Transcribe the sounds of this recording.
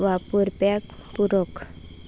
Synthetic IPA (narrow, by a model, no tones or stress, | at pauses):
wapuɾpak | puɾok